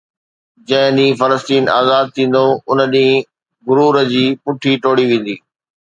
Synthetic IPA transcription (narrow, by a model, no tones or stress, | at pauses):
d͡ʑɐ̃ɦɪ̃ɗĩːfɐləst̪iːna̰ːzaːd̪̚t̪ʰĩːn̆d̪oʊnəɗĩː | ɡʊɾuːɾəd͡ʑiːpʊʈʰiʈoːɽiʋẽːn̆d̪iː